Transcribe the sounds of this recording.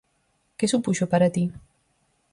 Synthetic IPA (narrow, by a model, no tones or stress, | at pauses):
kesupuʃopaɾat̪i